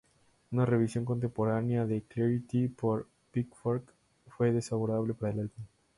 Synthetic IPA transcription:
unareβisjo̞ŋko̞nt̪empo̞ɾanjaðekleɾit̪ipoɾ | pikfoɾk | fweðesaβoɾaβlepaɾaelaltin

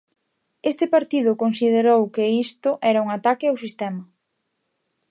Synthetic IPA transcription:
est̪ɪpaɾt̪ið̞ʊkonsið̞eɾowkeist̪ʊʔɛɾɐuŋat̪akɪawsist̪ɛmɐ

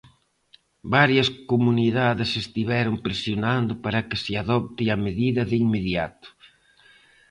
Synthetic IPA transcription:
baɾjɐskomuniðaðɪsest̪iβɛɾʊmpɾesjonand̪ʊpaɾɐkɪsɪaðɔp̚t̪iɐmeðiðɐðɪiŋmeðjat̪ʊ̥

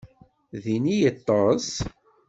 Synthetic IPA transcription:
ðinijət̪ˤːɑs

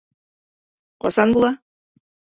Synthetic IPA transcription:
qɒ̰sɑnbulˠɑ

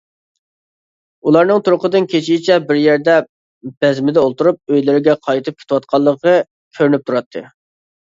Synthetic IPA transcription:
ulˠɑɾnɨŋt̪ʰuɾʊqəd̪ɨnkʲʰet͡ʃʰijɪt͡ʃʰɛbɪɾjæɾd̪ɛ | b̥ɛzmɪd̪ɛolˠt̪uɾup̚øjlɪɾɪɡʲɛqʰɑjt̪ʰɨp̚kʲʰe̥t̪ɪwɑt̪̚qʰɑlˠːəqə | kʲʰøɾnyp̚t̪ʰuɾɑt̪ʰːɨ̰

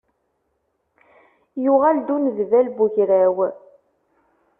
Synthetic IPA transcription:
juʁæld̪unðvælbuçɾæw

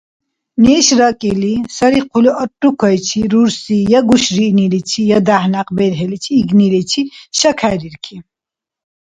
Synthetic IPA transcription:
nɛːʃɾəkʼilisəɾiqʰuluʔəʈʼːukʰɔjt͡ʃʰiɾuɾsijaɡuʃɾinilit͡ʃʰijad̪ahnaqʼbɛd̪ɦɛlit͡ʃʰiːɡnilɛt͡ʃʰiʃəkʰaɾiɾkʰi

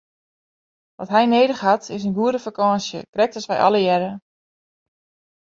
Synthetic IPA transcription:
ʋɔtɦɛjneːdəxatɪsənɡuəɾəfakɔːsjə̰krɛk̚təsʋɛjʔɑ̰lˠəjɛɾə

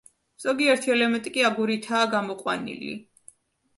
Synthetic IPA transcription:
z̥ɔɡiɛɾt̪ʰiɛlɛmɛnt̪ʼikʼiaɡuɾit̪ʰaːɡamɔqʼwa̰nḭlḭ

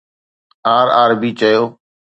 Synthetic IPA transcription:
aːɾa̰ːɾbiːt͡ʃəjoː

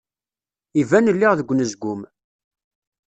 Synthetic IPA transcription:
ivænəlːiʁðəɡʷːnəzɡʷʊm

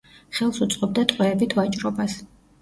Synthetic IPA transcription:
χɛlˠsut̪sʼqʼɔb̚d̪at̪ʼqʼwɛːbit̪ʰvat͡ʃʼɾɔbas

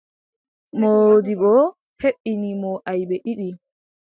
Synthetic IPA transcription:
modibɔ | heɓːinimɔʔajbɛʔiɗi

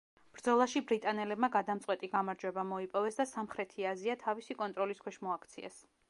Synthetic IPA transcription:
b̥ɾd̪zɔlˠaʃibɾit̪ʼanɛlɛb̚maɡad̪amt̪sʼqʼwɛt̪ʼiɡamaɾd͡ʒwɛbamɔipʼɔvɛsd̪asamχɾɛt̪ʰiaziat̪ʰavisikʼɔnt̪ʼɾɔliskʰwɛʃmɔakʰt̪sʰiɛ̰s

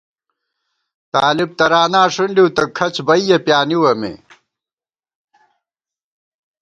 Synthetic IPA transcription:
t̪aːlib̚t̪ɐɾaːnaːʂunɖiwt̪ɐkʰɐt͡ɕbɐijɐpjaːniwɐmḛ

